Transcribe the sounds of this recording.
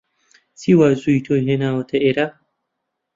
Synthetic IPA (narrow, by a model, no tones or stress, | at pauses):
siwazuitʰoɦenawɐtaʔɪɾa